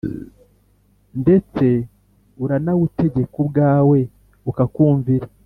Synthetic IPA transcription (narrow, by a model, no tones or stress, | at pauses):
nde̞t͡se̞ | uɾanaβute̞ɟe̞kubɡaːwe̞ | ukakuːɱviɾe